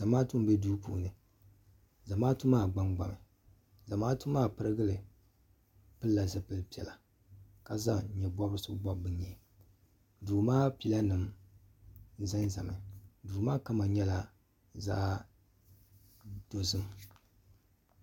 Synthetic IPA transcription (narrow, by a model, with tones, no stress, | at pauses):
za˨maː˦tu˦m˦bɛ˦duː˦pṵː˨nɨ˨ | za˨maː˦tu˦maː˦˨ɡ͡ba˦ŋɡ͡ba˨mɨ˨ | za˨maː˦tu˦maː˦pɨ˦ɾɨ˦ɡɨ˦lɨ˨ | pɨ˦lːa˨zɨ˦pɨ˦lpi˨˦ɛ̰˨la˨ | ka˨za˦˨ɲɛ˨bɔ˦bɨ˦sɨ˦bɔ˦bɨ˨ɲɛ˨ | duː˨maː˦pi˦la˦nɨ˨m | za˦nza˨mɨ˨duː˨maː˦ka˦ma˨ɲɛ˦la˨ | za̰ː˦ | d̥o˨zɨ˦m